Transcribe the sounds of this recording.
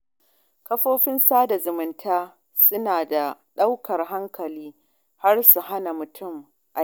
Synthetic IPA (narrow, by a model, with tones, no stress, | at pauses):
kɐ˦ɸoː˦ɸɪ˦nsaː˦da˨zʊ˨mʊ˨ntʰaː˦ | sʊ˦naː˨da˨ɗa˦wkɐ˨rɦa˦ŋkɐ˨liː˦ | ha˦rsu˨ɦa˦na˨mʊ˨tʰʊ˦˨m | ʔa˨